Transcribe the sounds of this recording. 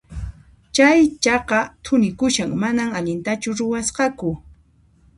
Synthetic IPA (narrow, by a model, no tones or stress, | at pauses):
t͡ʃajt͡ʃɑqɑt̪ʰʊnɪkʊʃaŋmanamaʎɪnt̪at͡ʃʊɾʊwɑsqɑkʊ